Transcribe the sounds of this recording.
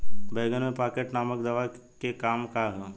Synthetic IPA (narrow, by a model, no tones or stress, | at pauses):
beːɡənmẽpaːkeʈnaːməkd̪ɐʋakekaːmkaɦɛː